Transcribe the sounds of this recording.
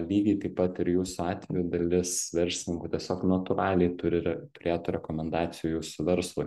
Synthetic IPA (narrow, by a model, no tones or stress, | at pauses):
lʲiːɡʲiɪt̪ɐɪpːɐt̪ɪɾjuːsʊɑːt̪ʲʋʲɛjud̪ɐlʲɪsʋʲɛɾʲsʲlʲɪnʲɪŋkʊt̪ʲiɛsʲoːknɐt̪ʊɾɑːlʲɛɪt̪ʊɾʲɪɾɛt̪ʊɾʲeːt̪ʊɾʲɛkomʲɛnd̪ɑːtsʲɪjujuːsʊʋʲɛɾslˠʊɪ